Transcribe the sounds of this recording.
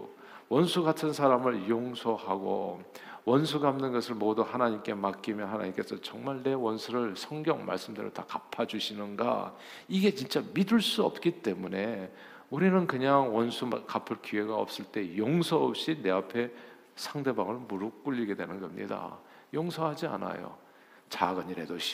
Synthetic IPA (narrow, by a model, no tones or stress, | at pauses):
wʌnsʰuɡatʰɯnsʰaɾamɯɭjoŋsʰʌhaɡo̰wʌnsʰuɡamnɯnɡʌsʰɯɭmoduhanaɲimk͈e̞mak͈imjʌnɦanaɲimk͈e̞sʰʌt͡ɕʌŋmaɭne̞wʌnsʰuɾɯɭsʰʌŋɡjʌŋma̰ɭs͈ɯmdeɾo̰takapʰad͡ʑuɕʰinɯnɡa̰ | iɡe̞t͡ɕint͡ɕ͈amidɯɭs͈uʌp̚k͈it͈e̞mune̞ | uɾinɯnkɯɲaŋwʌnsʰumkapʰɯɭkie̞ɡaʌ̰p̚s͈ɯɭt͈e̞joŋsʰʌʌp̚ɕ͈ine̞apʰe̞ | sʰaŋde̞baŋɯɭmuɾuk͈uʎːiɡe̞dwe̞nɯnɡʌmɲḭda̰ | joŋsʰʌɦad͡ʑia̰na̰jo̰ | t͡ɕaɡɯɲiɾe̞doɕʰi̥